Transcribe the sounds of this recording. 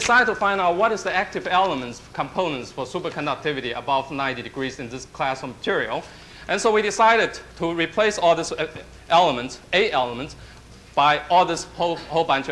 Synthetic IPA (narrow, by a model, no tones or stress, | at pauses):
dɪsaɪd̚tʰufãɪ̃ndaʊt̚wʌɾɨzðiæk̚tɨvɛlˠəmə̃ntskʰə̃mpʰõʊ̃nə̃ntsfə˞supə˞kʰə̃ndək̚tʰɪvɨɾiʔə̰bʌvnãɪ̃ntidɨɡɹizɨ̃nðɪskʰl̥æsəmətʰɪɹiəlˠ | ʔɨ̃nsoʊwidɪsaɪɾɨd̚tʰəɹipʰl̥eɪsɔlˠðɪs | ʔɛlˠəmə̃ntseɪɛlˠəmə̃nts | b̥aɪɔlˠðɪshohoʊlˠbãnt͡ʃ